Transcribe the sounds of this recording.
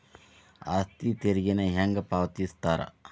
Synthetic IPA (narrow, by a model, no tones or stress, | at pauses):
a̰st̪it̪eɾiɡɐneɦɐŋɡɐpaːwt̪ist̪aːɾɐ̰